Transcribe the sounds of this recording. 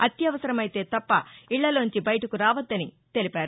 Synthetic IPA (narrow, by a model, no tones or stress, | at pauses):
ɐt̪jɐʋɐsɐɾɐmɐjt̪e̞ːt̪ɐpːɐiɭːɐloːɲt͡ʃibɐjɐʈɐkuɾaːʋɐd̪ːɐni | t̪e̞lipaːɾu